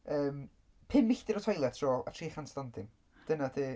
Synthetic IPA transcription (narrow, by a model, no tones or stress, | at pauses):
əːm | pʰɪmːɪɬdɪɾɔtʰɔjlˠɛtʰrɔːlˠa̰tʰr̥iːχanslˠandɪm | d̥ənadeː